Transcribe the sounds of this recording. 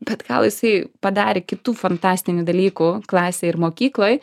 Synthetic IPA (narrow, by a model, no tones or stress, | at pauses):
bʲɛt̪ɡɐlˠjɪsɐɪpɐd̪ɑːɾʲɪkʲɪt̪uːfɐnt̪ɑːsʲt̪ʲɪnʲuːd̪ɐlʲiːkuklˠɑːsʲeːɪɾmoːkʲiːklˠoːj